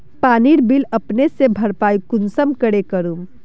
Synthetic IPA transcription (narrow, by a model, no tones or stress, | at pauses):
paniɾbiləpnesebʱəɾpajkunsəmkəɽekəɾum